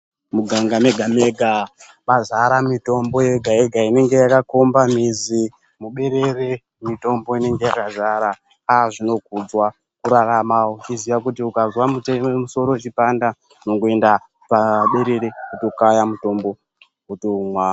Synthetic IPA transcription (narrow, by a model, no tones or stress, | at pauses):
muɡʱaŋɡame̞ɡʱameɡʱa | ɓazaɾamito̞mbo̞je̞ɡʱae̞ɡʱaine̞ŋɡe̞jakakombamizi | muɓe̞ɾe̞re | mito̞mbo̞ine̞ŋɡe̞jakazaɾa | aʐino̞k̚ud͡zwa | kuɾaramawot͡ʃizijak̬utiukazwamutemuso̞ɾo̞t͡ʃipanda | nokue̞nda | paɓe̞ɾe̞ɾeuto̞kajamuto̞mbo̞ | utoumwa